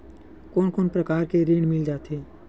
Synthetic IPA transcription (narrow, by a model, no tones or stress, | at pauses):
koːnkoːnpɾəkaːɾkeɾiːɽmɪld͡ʒaːt̪eː